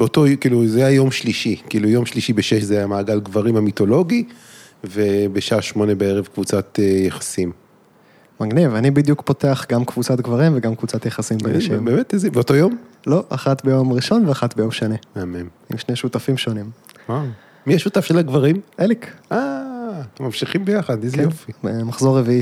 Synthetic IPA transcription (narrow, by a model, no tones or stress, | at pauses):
beotojkiːluzejajo̞mʃliʃikiːlujo̞mʃliʃibeʃeʃzejamaːɡalɡvaʁimamito̞lo̞ɡi | vebeʃaːʃmo̞nebeeʁevkvut͡sat̪ejeχḁsim | maɡnivanibid̪jukpo̞teaχɡamkvut͡sat̪ɡvaʁimveɡamkvut͡sat̪jaχasimbenaʃimbemetezibeoto̞jo̞m | lo̞ʔa̰χat̪bejo̞mʁiʃo̞nveaχat̪bejo̞mʃanemeamem | imʃneʃutafimʃo̞nima | miaʃutafʃelaɡvaʁimelika | mamʃiχimbejaχad̪zjofimaχzo̞ʁːevii